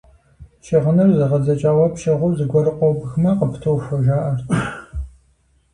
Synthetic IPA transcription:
ʃɪʁənɨrzɨʁɐzɐt͡ʃʼaːwɐpʃɐʁʷʊwzɨɡʷɔɾɨqʷʼɔbxmɐqəpʰtʰowfɐʒaːʔɐrtʰ

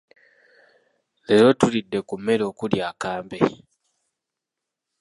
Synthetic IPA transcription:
leɾo̞tulidːe̞kumːe̞lo̞ːkuljaːkaːmbḛ

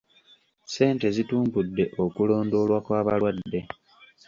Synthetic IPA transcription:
se̞ːnte̞zituːmbudːe̞ʔo̞kulo̞ːndo̞ːlwakwaːβalwadːe̞

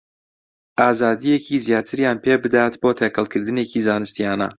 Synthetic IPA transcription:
ʔaːzaːd̪ijecʰizjaːt̪ʰɨɾjaːnpʰebɨd̪aːt̪boːt̪ʰekɐlˠkʰɨɾd̪ɨneːciːzaːnɨst̪ijaːnɐ̰

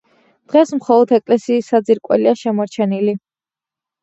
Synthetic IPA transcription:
d̪̥ʁɛsmχɔlˠɔd̪ʰɛkʼlɛsiːsːad̪ziɾkʼwɛ̰liaʃɛmɔɾt͡ʃʰɛnili

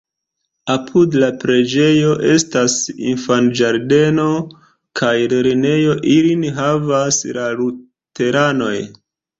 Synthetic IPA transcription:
apʰudlapɾe̞d͡ʒe̞jo̞ʔe̞stasḭnfand͡ʒaɾde̞no̞ | kʰajliɾine̞jo̞ʔilinɦavaslalu | te̞ɾano̞j

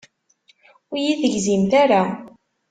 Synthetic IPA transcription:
ʊjiðəʝzimθaɾa

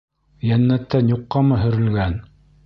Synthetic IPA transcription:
jænːæt̪ːænjuqːɑmɤɦɵ̆ɾɘ̆lɡæn

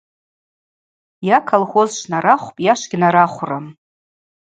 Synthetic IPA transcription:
jakʰalχozʃnaɾaχʷpʼjaʃʷɡʲnaɾaχʷram

